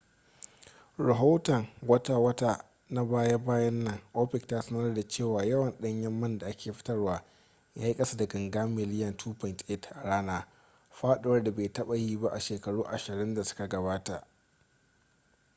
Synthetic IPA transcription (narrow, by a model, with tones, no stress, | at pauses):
ɾa˨ɦaː˦tɐ˨ŋwɐ˦taː˨wɐ˦ta˦ | na˦baː˦ja˦baː˦jɐ˦nːɐ˨ŋʔoː˦ɸɪ˨ktaː˦sɐ˦nɐ˦rda˨t͡ʃeː˦˨waː˨jɐ˦wɐ˨nɗɐ˦ɲjɐ˦mːɐ˦nda˨ʔa˦kʲeː˨ɸɪ̥˦tɐ˦rwaː˦ | jaː˦ji˦kʼɐ˦sa˦dɐ˨ɡɐ˨ŋɡaː˦mɪ˨lɪ˦jɐ˨ntʰuː˦pɔ˨ntʔɪ˦tʔa˨ɽaː˦naː˦ | ɸaː˦ɗʊ˦wɐ˦rda˨beː˨tɐ˦ɓa˨jiː˦ba˦ʔa˨ʃeː˨kɐ˨ɽuː˦ʔa˨ʃɪ˨ɾɪ˦nda˨sʊ̥˦ka˨ɡɐ˨baː˦ta˨ʔ